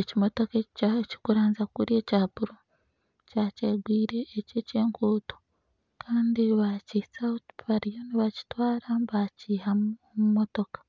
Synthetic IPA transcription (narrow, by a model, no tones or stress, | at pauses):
ecimo̞to̞keci̥kuɾaːnzakuɾje̞ːcaːpuɾo | caːceɡwiːɾe̞ːcece̞ːŋkuːto̥ | kʰaːndiβacisautβaɾijo̞niβaci̥twaːɾaβaciːhamuomumo̞to̞kḁ